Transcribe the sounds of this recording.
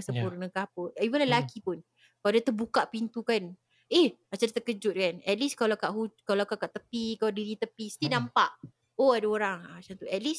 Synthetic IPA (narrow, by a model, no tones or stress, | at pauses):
səpurnəkahpuibəlalakipʊn | kaadat̪əbukaʔpint̪ukan | ehat͡ʃadat̪əkəd͡ʒʊt̪̚kanɛt̪̚liskalakaʔɦukalakakaʔt̪əpikaladiɾit̪əpisə̥t̪iənãmpaʔ | oadaoɾaŋat͡ʃaŋt̪uɛt̪̚lis